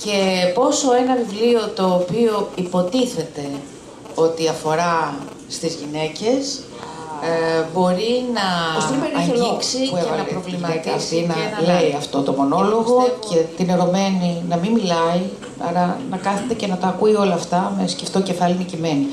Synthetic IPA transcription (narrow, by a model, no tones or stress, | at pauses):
ce̞po̞so̞e̞nɐvivlio̞t̪o̞ːpio̞ipo̞t̪iθe̞t̪e̞ | o̞t̪iɐfo̞ɾɐ | st̪izʝine̞ce̞s | bo̞ɾinɐost̪eɾeiksievɐlɐɾovlimɐikɐsinɐnleiɐft̪o̞t̪o̞mo̞no̞lo̞ɣo̞cʰe̞t̪ineɾo̞me̞ninɐmimilɐi | ɐ̰lɐnɐkɐθet̪ece̞nɐt̪ɐːkuio̞lɐːft̪ɐmesceft̪oce̞fɐlinicime̞ni